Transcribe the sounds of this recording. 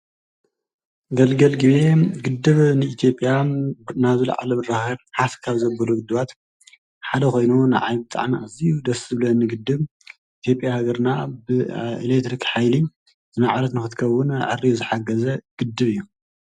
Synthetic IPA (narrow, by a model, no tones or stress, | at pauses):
ɡɐlɡɐlɡɨβeɡɨd̪ːɨβnɨit̪ʰjo̞pʼːjanaβzɨla̰ʕa̰lɐmɨraxɐɾħafkʰaβzɐbɐluɡɨd̪ːɨβat̪ | ħad̪ɐko̞jnunaʕajbɨt̪ʼa̰ʕmiʔazijud̪ɐszɨβɨlɐnːɨɡɨd̪ːɨβ | ʔit̪ʰjo̞pʼjahaɡɐɾnabɨḭlekt̪ɾikħajli | z̥ɨnaʕɾɐt̪nɨxɨt̪kʰɐwːʊnʕɨ̰rizɨħaɡɐzɐɡ̥ɨd̪ːɨβɨjːu